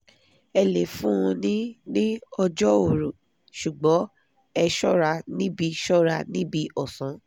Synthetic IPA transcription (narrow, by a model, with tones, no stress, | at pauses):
ɛ˧le˨fũ˦˧nĩ˦nĩ˦ɔ˧d͡ʒɔ˦o˨ɾu˨ | ʃu˨ɡ͡bɔ˨˦ | ɛ˧ʃɔ˦ɾa˧nĩ˦bi˧ʃɔ˦ɾa˧nĩ˦bi˧ʔɔ˨sɔ̃˨˦